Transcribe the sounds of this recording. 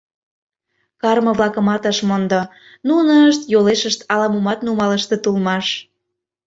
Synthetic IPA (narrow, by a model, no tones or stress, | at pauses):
kɑrmə̆βlɑkə̆mɑt̪əʃmond̪o | nunəəʃt̪joleʃəʃt̪ɑlɑmumɑt̪numɑləʃt̪et̪ulmɑʃ